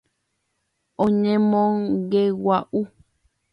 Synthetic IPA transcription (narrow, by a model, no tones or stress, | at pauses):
õɲẽmõŋɡewaʔu